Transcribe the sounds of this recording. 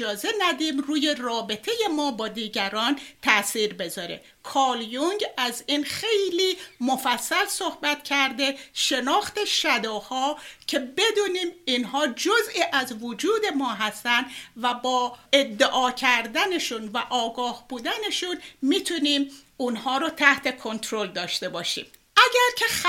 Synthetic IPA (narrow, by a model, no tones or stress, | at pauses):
ɒːze̞næd̪iːmruːje̞rɒːbe̞t̪ʰe̞je̞mɒːbɒːd̪iːɟæɾɒːnt̪ʰæsiːɾbe̞zɒɾe | kʰɒːljuŋɡæziːnχe̞jliːmofæsːælsohbæt̪cʰæɾd̪e̞ʃe̞nɒːxt̪e̞ʃæd̪ɒːhɒːcʰe̞be̞d̪uːniːminɦɒːd͡ʒoziːʔæzvod͡ʒuːd̪e̞mɒːɦæst̪ænd̪væbɒːed̪ːeʔɒːcʰæɾd̪æne̞ʃunvæʔɒːɡɒːhb̥uːd̪æne̞ʃunmit̪ʰuniːm | unhɒːɾot̪ʰæht̪ʰe̞kʰo̞nt̪ɾo̞ld̪ɒːʃt̪e̞bɒːʃḭːm | ʔæɟæɾcʰe